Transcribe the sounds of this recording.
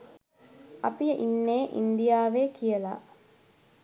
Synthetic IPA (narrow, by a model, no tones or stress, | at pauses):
ɐpijəʔinːeːʔḭnd̪ijaːʋeːkijəla̰